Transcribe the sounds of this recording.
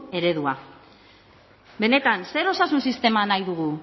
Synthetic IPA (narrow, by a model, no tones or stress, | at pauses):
e̞ɾe̞ðua | be̞ne̞t̪anse̞ɾo̞sasunsist̪e̞manajðuɣu